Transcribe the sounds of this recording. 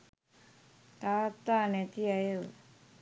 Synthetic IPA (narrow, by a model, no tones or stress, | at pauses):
t̪aːt̪ːaːnet̪iajə